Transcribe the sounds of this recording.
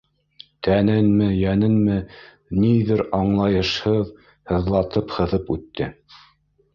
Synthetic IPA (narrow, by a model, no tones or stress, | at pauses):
t̪ænɘnmɘjænɘnmɘ | niðɘɾɑɴlˠɑjɤ̆ʃhɤð | hɤ̆ðlˠɑt̪ɤphɤ̆ðɤpʉ̰t̪ːɘ